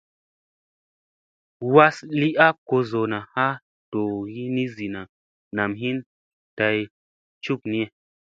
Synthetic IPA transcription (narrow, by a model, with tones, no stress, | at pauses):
wa˦sli˦ʔa˦ko˧zo˨na˨ha˦ | to˨ji˦ni˦zi˨na˨ | na˨mɦi˦n | ta˧j | t͡ʃu˦k̚ni˦e˨